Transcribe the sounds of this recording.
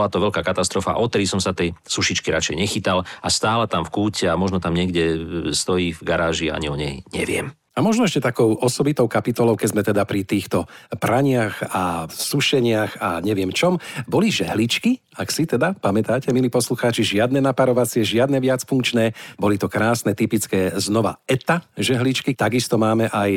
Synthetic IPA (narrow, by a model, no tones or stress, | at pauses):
ɔlat̪ɔʋɛʎkaːkat̪ast̪ɾɔfa̰ʔɔt̪ɛɾisɔmsat̪ɛjsuʃit͡ʃkiɾat͡ʃɛjɲɛxit̪alast̪aːlɛt̪amfkuːcɛamɔʒnɔt̪amɲɪɛɡɟɛst̪ɔjiːvɡaɾaːʒia̰ɲiɔɲɛjɲɛ̰ʋɪɛ̰m | amɔʒnɔɛʃcɛt̪akɔʊʔɔsɔbit̪ɔʊkapit̪ɔlɔʊkɛɟzmɛt̪ɛd̪apɾit̪iːxt̪ɔpɾaɲɪaxasuʃɛɲɪaɣa̰ɲɛʋɪɛmt͡ʃɔmbɔliʒɛɦlit͡ʃki | aksit̪ɛd̪apamɛt̪aːcɛmiliːpɔsluxaːt͡ʃiʒɪad̪nɛnapaɾɔʋat͡sɪɛʒɪad̪nɛʋɪat͡sfuŋkt͡ʃnɛːbɔlit̪ɔkɾaːsnɛt̪ipit͡skɛːznɔʋa̰ɛt̪aʒɛɦlit͡ʃkit̪aɡist̪ɔmaːmɛʔaj